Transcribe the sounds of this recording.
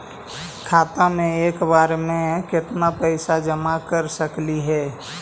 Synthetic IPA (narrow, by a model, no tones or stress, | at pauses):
kʰaːt̪amẽeːkbaɾmẽkɪt̪napəɪsad͡ʒəmakəɾsəkliɦɛ